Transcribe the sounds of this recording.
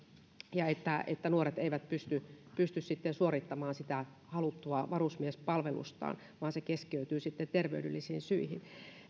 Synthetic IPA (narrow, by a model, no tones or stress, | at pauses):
jɑet̪ːæʔḛt̪ːænuoret̪eiʋæt̪pyst̪ypyst̪yssit̪ːensuorit̪ːɑmɑːnsit̪æ | hɑlut̪ːuɑʋɑrusmiespɑlʋelṵst̪ɑ̰ːn | ʋɑːnsekeskiøyt̪yːsit̪ːent̪erʋḛydylːisiːnsyihḭn